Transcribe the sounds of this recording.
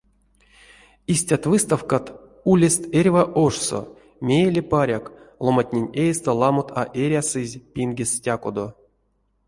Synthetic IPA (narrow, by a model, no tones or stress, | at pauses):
isʲtʲat̪vɨst̪afkat̪ | ulʲest̪erʲvaʔoʂso̰ | mʲejelʲepaɾʲaklˠomatʲnʲenʲejst̪olˠamot̪ʰa̰ʔeɾʲasɨzʲpʲinɡʲesʲtʲakod̪o